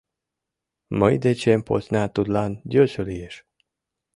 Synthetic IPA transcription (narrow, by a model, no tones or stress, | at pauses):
məjid̪et͡ʃempo̰snʲaːt̪ud̪lanɟʲøːsølieʃ